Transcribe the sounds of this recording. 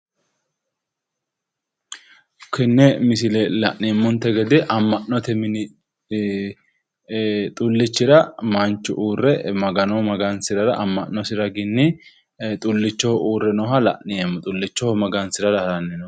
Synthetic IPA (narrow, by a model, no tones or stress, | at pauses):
kʰɪnːɛmɪs̬ɪlɛlɐ̰ʔnɪmːʊnt̪ːɛɡɛd̪ɪʔɐmːɐnːɔt̪ɛmɪnɪ | t̪ʼʊlːɪt͡ʃːɪɾɐmɐnt͡ʃːʊʔuːrːɛmɐɡɐnɔmɐɡɐnsɪɾɐɾɐʔɐmːɐnːɔsɪɾɐɡɪnːɪ | t̪ʼʊlːɪt͡ʃːɔhɔʔuːrːɛnɔɦɐlɐ̰ʔɪɛmːɔt̪ʼʊlːɪt͡ʃːɔhɔmɐɡɐnsɪɾɐdɐhɐɾɐnːɪnɔ